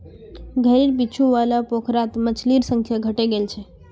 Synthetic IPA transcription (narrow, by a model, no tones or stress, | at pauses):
ɡʱəɾiɾpit͡ʃʰuʋalapokʰɾat̪mət͡ʃʰliɾsə̃ŋkʰjaɡʱəʈeɡelt͡ʃʰɛ